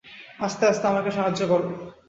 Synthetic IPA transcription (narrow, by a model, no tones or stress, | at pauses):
ast̪east̪eamaɾkeʃaɦad͡ʑːokoɾbo